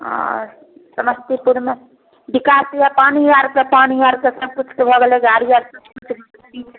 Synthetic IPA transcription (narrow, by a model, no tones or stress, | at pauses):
ɔ̰̃ | səməst̪ipuɾme | bikasijapaniaɾkapaniaɾkesəb̚kut͡ʃʰkebʱɔɡeleɡaɾiaɾsʌbkut͡ʃʰb | bit͡ʃʰ